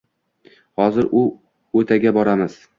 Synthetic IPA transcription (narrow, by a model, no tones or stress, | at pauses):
hɒzɪɾʊ | ɵt̪ʰaɡʲabɒɾamɪz̥